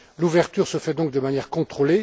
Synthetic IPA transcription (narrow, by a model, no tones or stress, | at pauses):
luvɛʁt̪yʁsəfɛd̪ɔ̃k̚d̪əmanjɛʁkɔ̃t̪χole